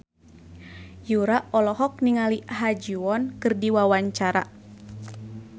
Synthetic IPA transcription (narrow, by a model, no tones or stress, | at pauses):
juɾaʔɔlɔɦɔk̚niŋaliɦad͡ʒuwɔnkɨrdiwawaɲt͡ʃaɾa̰